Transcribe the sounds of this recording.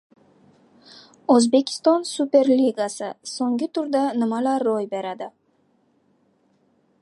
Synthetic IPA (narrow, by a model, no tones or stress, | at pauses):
ozbe̞kʲʰɪ̥st̪ɒnsupe̞ɾlʲiɡasɪsoŋɡʲɪt̪ʰʊɾd̪anɪmalaɾːojbe̞ɾad̪ɪ